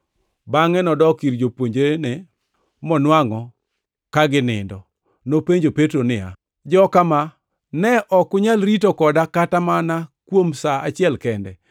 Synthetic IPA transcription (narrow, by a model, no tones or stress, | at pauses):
baŋɛnɔdɔkiɾd͡ʒopwoɲd͡ʒenɛ | mɔnwaŋɔ | kaɡɪnɪ̰ndɔ | nopeɲd͡ʒopetɾonɪa̰ | d͡ʒɔkama | nɛʔɔkʊɲalɾitokɔdakatamanakwomsaat͡ʃɪɛlkɛndɛ̰